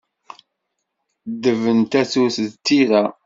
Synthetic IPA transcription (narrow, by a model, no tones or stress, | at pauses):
d̪ːəvənt̪æθuθðt̪ːiʁæ